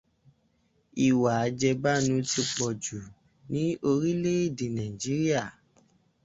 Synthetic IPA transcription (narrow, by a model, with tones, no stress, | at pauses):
i˨wa˨a˧˦d͡ʒɛ˧ba˦nũ˧˦ti˧k͡pɔ˨d͡ʒu˨ | nĩ˨˦o˧ɾi˦le˦i˦˨dĩ˨nã˨ĩ˨d͡ʒi˨˦ɾi˦a˦˨